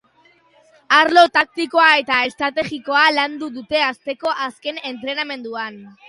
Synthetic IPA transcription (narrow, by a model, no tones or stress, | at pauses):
aɾlo̞t̪ak̚t̪iko̞ae̞t̪aest̪ɾat̪e̞ɣiko̞aland̪uðut̪e̞ast̪e̞ko̞ʔaske̞ne̞nt̪ɾe̞name̞nd̪uan